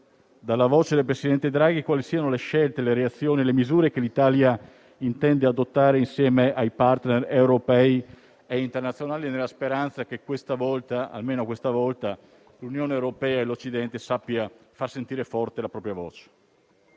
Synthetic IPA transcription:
d̪alːavoːt͡ʃed̪elpɾesid̪ɛnt̪ed̪ɾaːɡikwaːlisiːanoleʃɛlt̪eleɾeat̪sːjoːnilemizuːɾekelit̪aːlja | int̪ɛnd̪ead̪ot̪ːaːɾeinsjɛːmeʔajpart̪nerewɾopɛi | eint̪ernat̪sjonaːlinelːaspeɾant̪sakekwest̪avɔlt̪aa̰lmeːnokwest̪avɔlt̪a | lunjoːneewɾopɛːaelot͡ʃːid̪ɛnt̪esapːiafarsent̪iːɾefɔrt̪elapɾɔːpɾjavɔ̰ːt͡ʃe̥

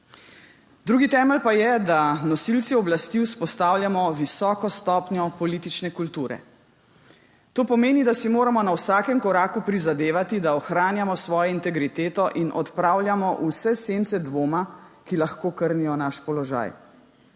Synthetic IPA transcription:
d̪ɾuːɡit̪ɛːməlpajɛd̪anɔsilt̪siɔblast̪iwspɔst̪aːwljamɔʋisɔːkɔst̪ɔːpnjɔpɔlit̪it͡ʃnɛkult̪uːɾɛ̰ | t̪oːpɔmeːnid̪asimoːɾamɔnawsaːkɛmkɔɾaːkupɾizad̪eːʋat̪id̪aɔxɾaːnjamɔsʋɔːjɔint̪ɛɡɾit̪eːt̪ɔʔinʔɔ̰t̪pɾaːwljamɔʔusɛsent̪sɛd̪ʋoːmakilaxkoːkəɾnijɔnaʃpɔlɔʒa̰j

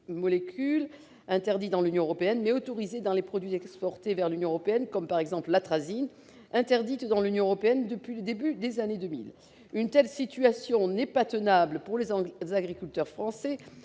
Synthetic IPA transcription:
mɔlekʲʰyl | ɛ̃t̪ɛʁd̪it̪̚d̪ɑ̃lynjɔ̃øʁɔpeɛnmɛot̪ɔʁized̪ɑ̃lepχɔd̪ɥizɛkspɔʁt̪evɛʁlynjɔ̃øʁɔpeɛnkɔmpaʁɛɡzɑ̃pllat̪χazin | ɛ̃t̪ɛʁd̪it̪d̪ɑ̃lynjɔ̃øʁɔpeɛnd̪əpɥiləd̪ebyd̪ezaned̪ømḭl | ynt̪ɛlsit̪yasjɔ̃nɛpat̪ənabləpuʁlezaɡʁikʲylt̪œʁfχɑ̃sɛ

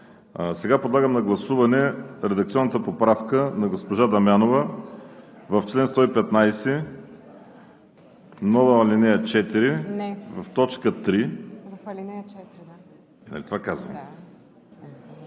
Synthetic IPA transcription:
sɛɡapod̪lˠaɡəmnɐɡlˠɐsuvɐnɛɾɛd̪əɐk̚t̪siɔnːət̪əpopɾafkənɐɡospoʒad̪ɐmʲjanovə | vɐft͡ʃlɛnst̪ɔipɛt̪najsɛ | nɔlˠɐɐlʲinɛjɐt͡ʃɛt̪iɾivɐft̪ɔt͡ʃkət̪ɾi | nɐ̰lit̪ovakazvə̰m

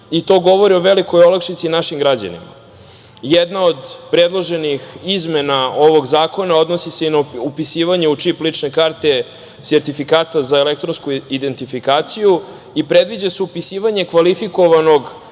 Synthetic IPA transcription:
it̪o̞ːɡo̞ʋo̞ɾio̞ʋe̞liko̞jolakʃit̪sinaʃimɡɾad͡ʑa̰nḭma̰ | jed̪nao̞d̪pɾe̞d̪lˠo̞ʒenixizmenao̞ʋo̞ɡzaːko̞nao̞d̪no̞sise̞inaupisiːʋaɲe̞ut͡ʂiplit͡ʂne̞kaɾt̪e̞ | seɾt̪ifikaːt̪azaelek̚t̪ɾonskuid̪e̞nt̪ifikaːt̪siju | ipɾe̞d̪ʋid͡ʑaseupisiːʋaɲe̞kʋalifiko̞ʋano̞ɡ

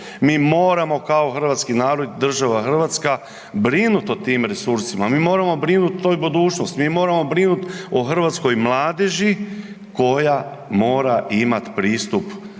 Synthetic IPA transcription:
miːmo̞ːɾamo̞kao̞xr̩ʋat̪skinaːɾod̪d̪r̩ʒaʋaxr̩ʋat̪ska | bɾinut̪ot̪iːmɾe̞suɾsimamiːmo̞ːɾamo̞bɾinut̪t̪ːoːjbod̪uːt͡ʃnost̪miːmo̞ːɾamo̞bɾinut̪oxr̩ʋat̪sko̞jmlˠaːd̪eʒi | ko̞ja | mo̞ːɾaʔimat̪pɾiːst̪up

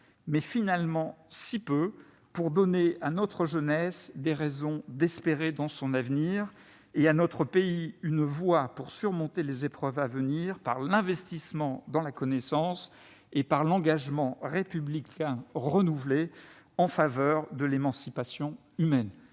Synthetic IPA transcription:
mɛfinalmɑ̃sipø | puʁd̪ɔneanɔt̪χəʒənɛsd̪eʁɛzɔ̃d̪ɛspeʁed̪ɑ̃sɔ̃navniʁ | eanɔt̪χəpeiynvwapuʁsyʁmɔ̃t̪elezepχœvavəniʁpaʁlɛ̃vɛst̪ismɑ̃d̪ɑ̃lakɔnɛsɑ̃s | epaʁlɑ̃ɡaʒmɑ̃ʁepyblikʰʲɛ̃ʁənuvle | ɑ̃favœʁd̪əlemɑ̃sipasjɔ̃ | ymɛn

